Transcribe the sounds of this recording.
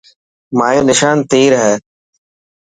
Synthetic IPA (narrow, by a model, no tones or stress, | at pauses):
maːjõːnɪʃaːnt̪eːɾɦɛː